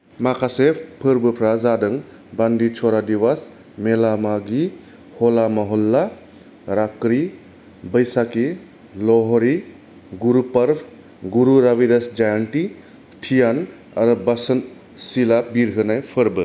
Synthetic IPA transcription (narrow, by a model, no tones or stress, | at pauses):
makʰasepʰɯɾbɯpʰɾazadɯŋ | bandit͡ʃʰɔɾadiwas | melamaɡi | hɔlamaɦɔlːa | ɾakɾi | bəjsaki | lɔɦɔɾi | ɡuɾupɐɾpʰ | ɡuɾuɾabiɾɐsd͡ʒajanʈi | ʈʰijan | aɾubasən | silabiɾɦɯnajpʰɯɾbɯ